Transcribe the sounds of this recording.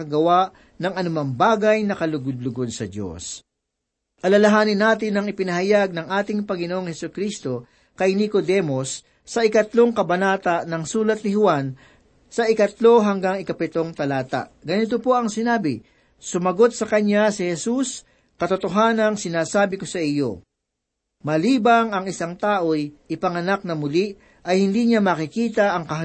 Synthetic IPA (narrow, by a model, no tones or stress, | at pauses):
kɐɡɐwaʔ | nɐŋɐnʊmaŋbaːɡɐjnɐkɐlʊɡʊd̪̚lʊɡod̪sɐd̪jo̰s | ʔɐlɐlɐɦaːnɪnːaːt̪ɪnɐŋɪpɪnɐhɐjaɡ̚nɐŋʔaːt̪ɪŋpɐŋɪnoʔoŋhɛsʊkɾist̪o̞ | kɐjnikod̪ɛmosː | ɐɪkɐt̪lo̞ŋkɐbɐnaːt̪ɐnɐŋsuːlɐt̪̚nɪhʊwan | sɐʔɪkɐt̪lo̞ɦɐŋɡaŋɪkɐpɪt̪o̞ŋt̪ɐlaːt̪ɐ̰ʔɡɐnɪt̪opo̞ʔɐŋsɪnaːbɪ | sʊmɐɡo̞t̪̚sɐkɐɲasɪhɛsus | kɐt̪ʊt̪oɦaːnɐŋsɪnaːsaːbɪkosɐʔɪjo̞̰ | mɐliːbɐŋɐŋɪsaŋt̪aːʔojʔɪpɐŋɐnak̚nɐmʊliʔ | ʔɐjhɪnd̪iɲamɐkɪkiːt̪ɐʔɐŋkɐh